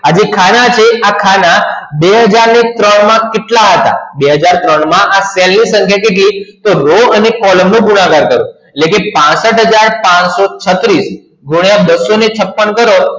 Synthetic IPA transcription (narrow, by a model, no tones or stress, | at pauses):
ad͡ʒekʰanat͡ʃʰeakʰanabeɦəd͡ʒaɾnet̪ɾəɳmãkeʈlaɦət̪a̰beɦəd͡ʒaɾt̪ɾəɳmãʔaselnisə̃ŋkʰjakeʈlit̪oɾoənekɔləmnũɡunaɡaɾkəɾũ | eʈlekepãsəʈɦəd͡ʒaɾpãsot͡ʃʰət̪ɾis | ɡʱuɳjabəsːonet͡ʃʰəpːəɳkəɾo